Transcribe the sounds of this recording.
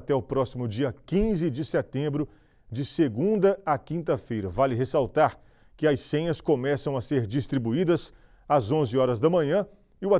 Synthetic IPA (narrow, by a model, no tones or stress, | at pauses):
t̪ɛʊpɾɔsimʊd͡ʒiɐkĩzɪd͡ʒɪsɛt̪ẽmbɾʊ | d͡ʒɪseɡũd̪ɐakĩnt̪ɐfejɾɐvalɪɦesawt̪aɾ | kɪɐssẽɲɐskomɛsɐ̃w̃ɐseɾd͡ʒist̪ɾibuid̪ɐs | azõzɪɔɾɐzd̪ɐmɐ̃ɲɐ̃ | ɪʊa